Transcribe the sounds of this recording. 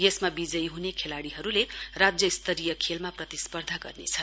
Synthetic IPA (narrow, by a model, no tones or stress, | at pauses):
jesmabid͡zʌjɦunekʰelaɽiɦʌɾulerad͡zjʌist̪ʌɾijʌkʰelmaprʌt̪ispʌrd̪ʱaɡʌ̰rnḛt͡sʰʌ